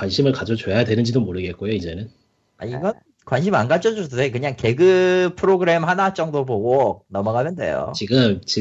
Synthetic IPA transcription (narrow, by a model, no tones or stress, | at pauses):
kwanɕʰimɯɭkad͡ʑot͡ɕojajadwe̞nɯnd͡ʑidomoɾɯɡe̞t̚k͈ojoid͡ʑe̞nɯn | a̰iɡʌn | kwanɕ̬ʰimanɡat͡ɕ͈ʰʌd͡ʑododekɯɲaŋke̞ɡɯpʰɯɾoɡɯɾe̞mhanat͡ɕ͈ʌŋdoboɡonʌmʌɡamʰjendḛjo̰t͡ɕiɡɯmt͡ɕi